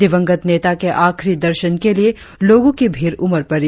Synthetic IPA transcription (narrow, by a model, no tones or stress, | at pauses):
d̪ɪʋə̃ŋɡət̪neːt̪akeʔaːkʰɾid̪ɐɾʃənkelie | loːɡõkibʱiːɾʊməɾpɐɾ